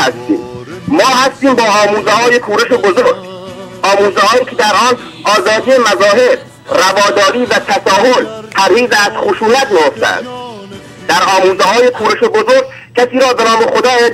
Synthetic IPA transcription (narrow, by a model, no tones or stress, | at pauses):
æst̪ḭːmmɒːɦæst̪iːmbɒːʔɒːmuːzehɒːjekʰuːɾeʃobozoɾɟ | ʔɒːmuːzehɒːiːcʰed̪æɾʔɒːn | ʔɒːzɒːd̪iːjemæzɒːɦe̞b | rævɒːd̪ɒːɾiːvæt̪ʰæsɒːɦolpʰæɾhiːzeæz̥χoʃuːnæt̪mejoft̪æ̰æ̰nd̪ | d̪̥æɾɒːmuːzehɒːjekʰuːɾeʃobozoɾɡ | cʰæsiːɾɒːbe̞nɒːmexod̪ɒːje